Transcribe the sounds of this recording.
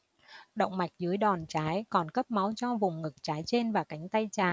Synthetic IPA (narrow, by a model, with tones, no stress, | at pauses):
ɗə̰˧˨wŋ͡mma˨˩jk̟̚zɨ˨˦əjɗɔ˨˩nt͡ɕaː˨˦jkɔ˨˩nkə˦˥p̚ma˨˦wt͡ɕɔ˧vʊ˨˩ŋ͡mŋɨ˨˩k̚t͡ɕaː˨˦jt͡ɕe˧nvaː˨˩ka˨˦jŋ̟t̪a˧jt͡ɕaː˨˩